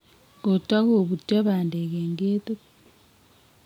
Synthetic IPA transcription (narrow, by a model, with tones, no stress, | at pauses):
ko˨ta˦koβu˨tjaβaː˨nde˨keːŋɡe˦t̪u˦